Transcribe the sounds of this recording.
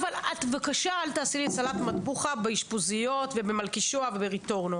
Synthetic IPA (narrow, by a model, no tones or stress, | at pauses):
valat̪vakaʃaalt̪aːsilisalatmat̪buχabeiʃpozijo̞tvebe̞malkiʃoavebeʁit̪o̞ʁno